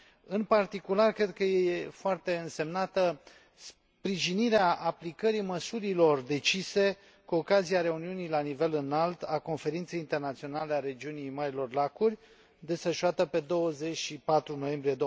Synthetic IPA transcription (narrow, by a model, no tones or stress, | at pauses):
ɨnpart̪ikularkɾe̞d̪̚kəjeefoart̪e̞ɨnse̞mnat̪ə | s | pɾiʒiniɾeaʔaplikəɾiməsuɾilo̞rd̪e̞t͡ʃise̞ | kuokaziaɾe̞uniunijlanive̞lɨnalt̪ako̞nfe̞ɾint̪se̞jint̪e̞rnat̪sio̞naleaɾe̞d͡ʒiunijmaɾilo̞rlakurʲ | d̪e̞sfəʃuat̪əpe̞d̪o̞wəze̞t͡ʃʃipat̪ɾuno̞je̞mbɾied̪o